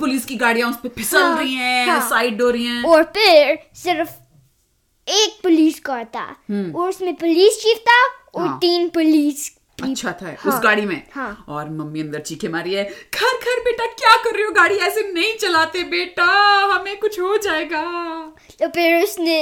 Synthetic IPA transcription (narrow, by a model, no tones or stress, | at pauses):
pʊliːskiɡaːɽijãʊspepʰɪsə̃lɾɐiɦɛ̃ssaːɪʈ̚ɖoːɾəiɛ̃ːɔːɾpʰɪɾsɪɾf | eːk̚pʊliːskɐɾt̪a̰ːɦɔːɾʊsmẽpʊliːst͡ʃiːft̪aɔːɾt̪iːnpʊliːs | kɐiːt͡ʃʃʰat̪ʰaɛ̰ʊsɡaːɽimẽːhãɔːɾmɐmːiɐ̃nd̪əɾt͡ʃiːkʰemaːɾiɦɛːkʰɐɾkʰɐɾbeːʈakjaːkɐɾːeõɡaːɽiɛːsenɐɦĩt͡ʃɐlaːt̪ebeːʈaɦɐmẽkʊt͡ʃʰɦod͡ʒaːeːɡaː | t̪opʰɪɾʊsnẽ